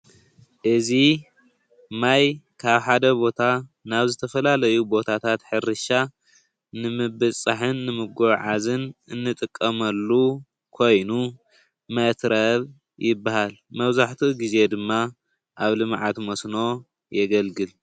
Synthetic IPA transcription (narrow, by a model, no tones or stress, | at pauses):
ʔɨzi | majkʰaβħad̪ɐbo̞t̪ʰanaβzɨt̪ʰɐfɐlalɐjubo̞t̪ʰat̪ʰat̪ħɨɾɨʃa | nɨmɨbɨsʼaħɨnːɨmɨɡʷɐβʕazɨnɨnːɨt̪ʼɨkʼːɐmɐlːu | kʰo̞jnu | mɐt̪ɾɐβ | jɪbːahalmɐβzaħt̪ʰiɡize̞d̪ɨmːa | ʔaβlɨmʕat̪mɐsno̞ | jɛɡɐlɡɨl